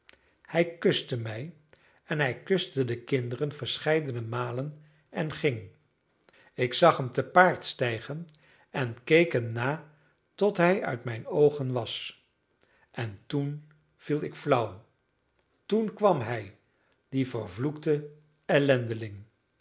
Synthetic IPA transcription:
hɛjkɵstəmɛj | ɛnɦɛjkɵstədəkɪndərənvəɹsχɛjdənəmaːlən | ɛnχɪŋ | ɪksɑχɦəmtəpaːɹtstɛjχən | ɛnkejkɦəmnaː | tɔtɦɛjœ̰ɥtmɛjnowχənʋɑs | ʔɛntun | v̥ilˠɪkflʌw | tunkʋɑmɦɛj | d̥ivəɹvluktə | ɛlɛndəlɪŋ

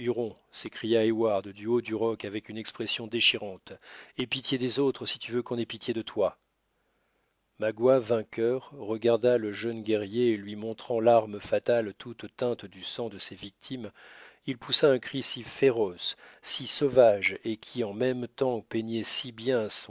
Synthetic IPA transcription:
yʁɔ̃ | sekχijaewaʁd̪d̪yod̪yʁɔkavɛkynɛkspχɛsjɔ̃d̪eʃiʁɑ̃t̪epit̪jed̪ezot̪χəsi̥t̪yvøkɔ̃nɛpit̪jed̪ət̪wa | maɡwavɛ̃kʲœʁːəɡaʁd̪aləʒœnɡʲɛʁjeːlɥimɔ̃t̪χɑ̃laʁməfat̪alt̪ut̪t̪ɛ̃t̪d̪ysɑ̃d̪əsevik̚t̪ʰimilpusaɛ̃kχisifeʁɔsːisɔvaʒekʲʰiɑ̃mɛmt̪ɑ̃peɲɛsibjɛ̃s

